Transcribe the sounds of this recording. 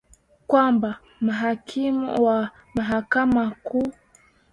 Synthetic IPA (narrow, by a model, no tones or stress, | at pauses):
kwamba | maɦakʰimṵwa | maɦakamaku